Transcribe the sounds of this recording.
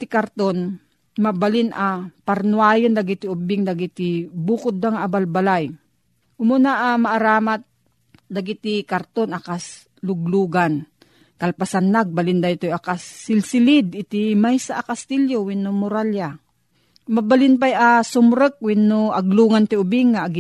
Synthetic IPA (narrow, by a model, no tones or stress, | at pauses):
t̪ɪkaɾt̪on | mabalɪnapaɾnuaːjond̪aɡɪt̪ɪʊbɪŋd̪aɡɪt̪ɪbuːkʊd̪̚ːaŋaabalbalaj | ʔʊmʊnaʔamaʔaɾaːmat̪̚ | d̪aɡit̪ɪkaɾt̪onʔakas | lʊɡluːɡan | kalpasanːaɡ̚balɪnd̪aɪt̪ojakasːɪlsɪlɪd̪ɪt̪imajsaʔakast̪iljowɪnʊmʊɾalja | mabalɪnp̬ajasʊmɾək̚wɪnːoaɡluːŋant̪ɪʊbɪŋːaʔaɡɪ